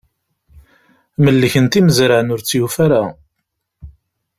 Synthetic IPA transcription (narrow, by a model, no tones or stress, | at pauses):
məlːəçənt̪iməzɾəʕnʊɾt͡sːjufaɾa